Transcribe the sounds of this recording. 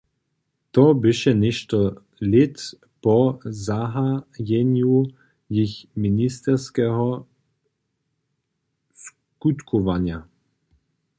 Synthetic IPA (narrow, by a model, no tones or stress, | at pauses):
t̪ɔbɪʃɛnɛʃt̪ɔ | lʲɛt̪ | pɔzaɦajɛnju | jixminist̪ɛɾskɛɦɔ | s | kut̪kʰɔʋanja